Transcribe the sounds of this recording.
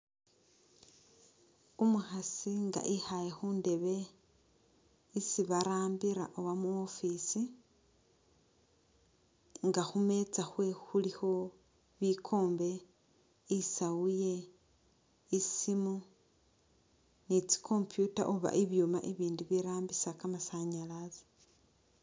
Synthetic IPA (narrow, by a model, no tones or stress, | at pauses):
umuxasiŋɡa̰ʔihajexuːnde̞βe̞ | isiβaɾaːmbiɾa̰ʔoβamuofisi | ŋɡaxume̞t͡saxwe̞xulixo̞ | βikʰo̞ːmbe̞ | isawuje̞ | isimu | nit͡si̥kʰo̞ːmpjuta̰ʔoβa̰ʔiβjumaʔeβiːndiβiɾaːmbisakamasaɲalazi̥